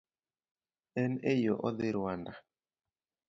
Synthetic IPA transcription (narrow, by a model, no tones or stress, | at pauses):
ɛnejɔʔɔðɪɾanda